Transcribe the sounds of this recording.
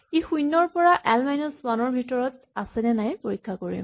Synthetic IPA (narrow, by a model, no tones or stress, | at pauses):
ixujnːɔɹpɔɹaʔɛlmajnɔswanɔɹbʱitɔɹɔt | asɛnɛnajpoɹikʰːakoɹḭm